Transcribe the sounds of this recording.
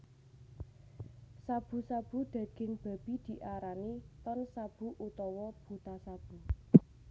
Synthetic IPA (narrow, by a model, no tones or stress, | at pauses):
sab̥ṳsab̥ṳd̪̥ä̤ɡ̥ɪ̤ŋb̥a̤b̥i̤d̪̥i̤ʔaɾanit̪ɔnsab̥ṳʔut̪ɔwɔb̥ut̪asab̥ṳ